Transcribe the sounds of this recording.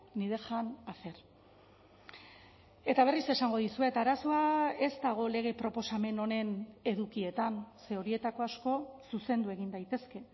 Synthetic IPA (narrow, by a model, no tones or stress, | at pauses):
niðe̞xanafe̞ɾ | e̞t̪aβ̞e̞rise̞saŋɡo̞ðisue̞t̪aɾasoae̞zt̪aɣ̞o̞le̞ɣ̞e̞pɾo̞po̞same̞no̞ne̞ne̞ðukie̞t̪anse̞o̞ɾie̞t̪ako̞asko̞suse̞nd̪ue̞ɣ̞ind̪ajt̪e̞ske̞